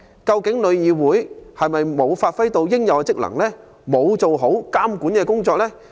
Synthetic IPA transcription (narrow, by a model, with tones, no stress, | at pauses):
kɐ˧wkɪ˨˥ŋlɵ˨˧ɥjiː˨wuː˨˥jhɐ˨jmɐ˨jmo˨˧wfaː˧t̚fɐ˥jt̪o˧wjɪ˥ŋjɐ˨˧wt͡sɪ˥k̚lɐ̰˨˩ŋlɛː˥ | mo˨˧wt͡so˨wɦo˨˥wkaː˥mkuː˨˥nkɛː˧kʊ˥ŋt͡sɔː˧k̚lɛː˥